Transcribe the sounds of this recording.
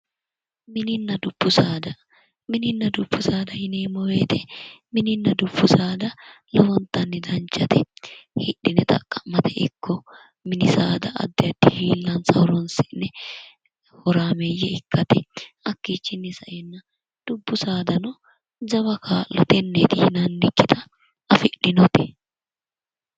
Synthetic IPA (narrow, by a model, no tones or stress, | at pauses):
mɪnɪnːɐd̪ʊb̥ːʊsaːd̪ɐ | mɪnɪnːɐd̪ʊbːʊsaːd̪ɐhɪneːmɔweːt̪ɛmɪnɪnːɐd̪ʊbːʊsaːd̪ɐ | lɔwɔnt̪ːɐnːɪd̪ɐnt͡ʃːɐt̪ɛhɪᶑɪnɛt̪ɐ̰kʼːɐmɐt̪ɛɪkʰːɔ | mɪnɪsaːd̪ɐʔɐ̰d̪ːɪɐd̪ːɪhiːlːɐnsɐwɾɔnsɪʔnɛ | hɔɾaːmejːɛɪkːɐt̪ɛ | ɐkːiːt͡ʃːɪnːɪsɐʔɛnːɐ | d̪̥ʊbːʊsaːd̪ɐnɔ | d͡ʒɐβɐkʰaːlːɔt̪ɛnːeːt̪ɪhɪnɐnːɪkːɪt̪ʰɐ | ɐfɪᶑɪnɔt̪ɛ̥